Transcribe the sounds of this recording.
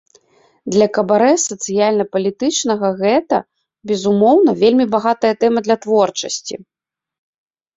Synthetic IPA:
d̪lʲɐkɐbaɾɛsɐt̪sɨjalʲnɐpɐlʲit̪ɨt͡ʂnɐɣɐɣɛt̪ɐ̰ | bʲɛzumɔwnɐvʲelʲmʲibaɣat̪ɐjɐt̪ɛmɐd̪lʲɐt̪vɔrt͡ʂɐsʲt͡sʲḭ

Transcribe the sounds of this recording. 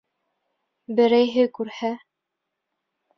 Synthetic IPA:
bɘ̆ɾæjɦɘkʉɾhæ

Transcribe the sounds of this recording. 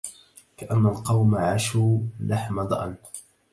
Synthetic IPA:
kaʔanːalqɑwmaʕaʃuːlʔaħmad̪ˤʔan

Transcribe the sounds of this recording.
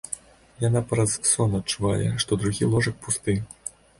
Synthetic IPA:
janapɾɐssɔnɐt̪̚t͡ʂuva̰jʲɛ̰ʂt̪ɔd̪ɾuɣʲilˠɔʐɐk̚pust̪ɨ

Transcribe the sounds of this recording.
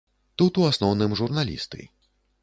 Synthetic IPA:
t̪ut̪uasnɔwnɨmʐurnalʲḭst̪ɨ̰

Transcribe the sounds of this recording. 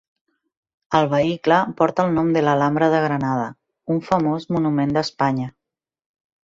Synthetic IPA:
əlˠβ̞əikləpɔɾt̪əːlˠnɔmd̪əlalambɾəðəɣ̞ɾənað̞ə | uɱfəmozmunumend̪əspaɲə

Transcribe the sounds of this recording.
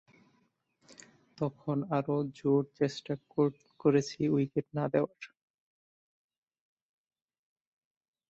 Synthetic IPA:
t̪ɔkʰonaɾod͡ʑoɾt͡ɕesʈako | koɾet͡ɕʰiujkeʈ̚nad̪eoaɾ

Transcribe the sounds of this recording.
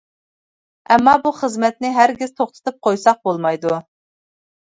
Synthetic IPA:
ɛmːɑbuχəzmɛt̪̚nɪɦæɾɡʲɪz̥t̪ʰoχt̪ʰə̥t̪ʰɨp̚qʰojsɑq̚bolˠmɑjd̪u

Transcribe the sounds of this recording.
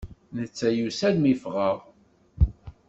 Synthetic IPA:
nət͡sːæjusælmifʁəʁ

